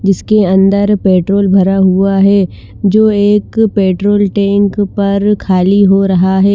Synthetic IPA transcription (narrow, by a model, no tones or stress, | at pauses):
d͡ʒɪskeɐ̃nd̪əɾpeːʈɾoːlbʱɐɾaɦuaɦɛː | d͡ʒoːeːkpeːʈɾoːlʈɛ̃ːŋkpɐɾkʰaːliɦoɾɐɦaɦɛː